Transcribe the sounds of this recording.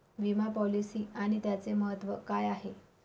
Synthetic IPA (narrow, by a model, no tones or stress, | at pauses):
ʋimapɔlisiːaɽ̃it̪jat͡seməɦət̪ːʋəkajaɦe